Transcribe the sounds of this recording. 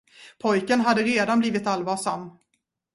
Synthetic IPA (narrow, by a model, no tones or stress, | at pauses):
pʰɔjkənɦad̪ːəɾeːd̪anbliːvɪt̪alvɑːʂamː